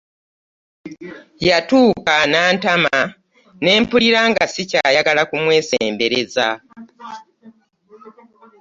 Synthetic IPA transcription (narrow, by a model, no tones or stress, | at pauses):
jatuːkanaːntama | ne̞ːmpuliɾaːŋɡasicaːjaɡalakumwe̞ːse̞̰ːmbe̞ɾe̞za̰